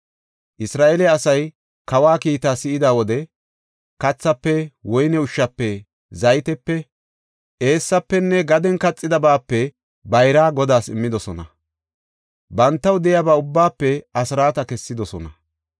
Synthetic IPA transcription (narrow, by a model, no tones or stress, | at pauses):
ʔɪsɾaːʔelɛɐsɐj | kɐwaːkiːt̪aːsɪɪd̪aːwɔd̪ɛ | kɐt͡sːɐpːɛwɔjnɛʊʃːɐpːɛ | zɐjt̪ɛpːɛ | ʔe̞ːsːɐpːɛnːɛɡɐd̪ɛnkɐt͡sʼːɪd̪ɐbaːpːɛ | bɐjɾaːɡɔd̪aːsɪmːɪd̪ɔsɔnɐ | bɐnt̪ːɐwd̪ɛjabaːʊbːaːpːɛɐsɪɾaːt̪ɐkɛsːɪd̪ɔsɔnɐ